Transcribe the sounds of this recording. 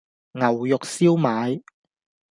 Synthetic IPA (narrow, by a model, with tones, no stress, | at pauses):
ŋɐ˨˩wjʊ˨k̚siː˥wmaː˨˧j